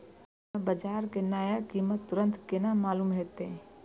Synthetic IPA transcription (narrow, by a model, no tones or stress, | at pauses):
bəd͡ʒaːɾkenaːjakiːmət̪ːʊɾə̃nt̪kenamaːluːmɦeːt̪ẽ